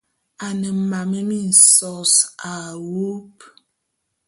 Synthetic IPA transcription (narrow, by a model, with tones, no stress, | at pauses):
a˨nə˨m̩˨ma˨me˦mi˦n̩˨sɔ˦sa˨wu˦p